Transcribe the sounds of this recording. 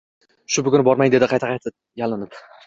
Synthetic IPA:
ʃʊbʊkʲʊnɪbɒɾmajŋd̪eɪqʰɑjt̪ʰaqʰɑjt̪ʰɪ | jalˠɪnɪp

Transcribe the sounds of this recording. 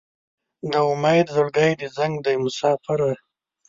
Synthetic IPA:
d̪əʊmajd̪zʊɽɡajd̪əzaŋɡd̪ajmʊsɑːfɪɾa

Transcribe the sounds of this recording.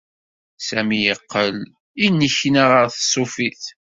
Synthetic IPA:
sæmijəqːəl | inːəçnəʁəɾθsˤʊfiθ

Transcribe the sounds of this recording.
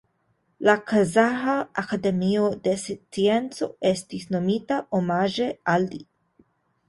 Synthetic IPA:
lakazahaakad̪emiod̪est͡sient͡soest̪isnomit̪aʔomaʒeald̪i

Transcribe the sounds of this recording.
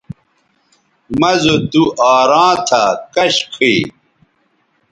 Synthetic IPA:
mɐzod̪uʔaːɾãːt̪ʰakɐɕkʰi

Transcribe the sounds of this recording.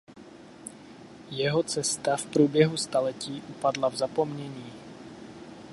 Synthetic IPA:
jɛɦot͡sɛst̪afpɾuːbjɛɦust̪alɛciːʔupadlavzapo̞mɲɛɲiː

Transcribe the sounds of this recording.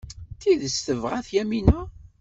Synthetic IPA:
θiðəst̪əvʁæθjæminæ

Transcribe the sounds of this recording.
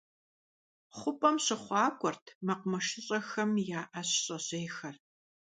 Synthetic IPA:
χʷʊpʼɐmɕɪχʷɑːkʷʼɔrtʰmɐqʷmɐʃɪɕʼɐxɐmjaːʔɐɕɕʼɐɕeːxɐr

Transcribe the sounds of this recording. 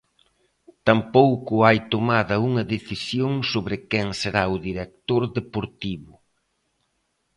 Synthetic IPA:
t̪ampowkʊajt̪omaðɐuŋɐðeθisjoŋsoβɾɪkɛŋseɾaʊðiɾek̚t̪oɾðepoɾt̪iβʊ

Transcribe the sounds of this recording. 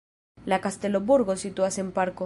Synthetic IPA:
lakast̪eloβuɾɣosit̪uasempaɾko

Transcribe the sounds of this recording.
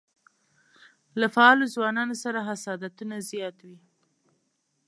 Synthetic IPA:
lafaɑlozwɑnɑnosaɾaɦasɑd̪at̪unazjɑt̪wi

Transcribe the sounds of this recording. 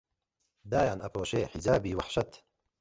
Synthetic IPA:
d̪aːjaːnʔɐpɾoːʃeːħizaːbiːwaħʃɐt̪

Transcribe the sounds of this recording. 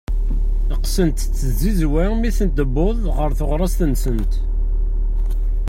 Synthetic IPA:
əqsənt̪t͡sːəzizwæmiθənd̪əbːʊðˤʁəɾθoʁɾˤɑst̪ənsənt̪

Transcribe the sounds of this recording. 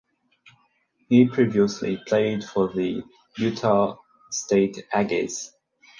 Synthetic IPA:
hipʰɹ̥iviəslḭpʰl̥eɪd̥fəði | jʉtʰə | steɪtæɡɪ̰z̥

